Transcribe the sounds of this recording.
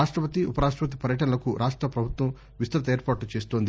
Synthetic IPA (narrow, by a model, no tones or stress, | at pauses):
aːʂʈɾɐpɐt̪iupɐɾaːʂ̬ʈɾɐpɐt̪̬i̥pɐɾjɐʈɐnɐlɐkuɾʔaːʂʈɾɐpɾɐbʱut̪ʋɐm | ʋist̪ɐɾɐt̪ɐeːɾpaːʈut͡ʃe̞ːst̪oːnd̪i